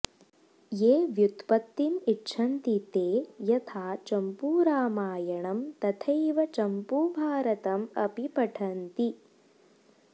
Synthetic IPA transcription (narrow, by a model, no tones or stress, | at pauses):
jeːʋjut̪pɐt̪ːiniʈːʃʰɐnt̪it̪eːjɐt̪ʰaːt͡ʃɐmpuːɾaːmaːjɐɳɐmt̪ɐt̪ʰɐjʋɐt͡ʃɐmpubʱaːɾɐt̪ɐmɐ̰pipɐʈʰɐnt̪i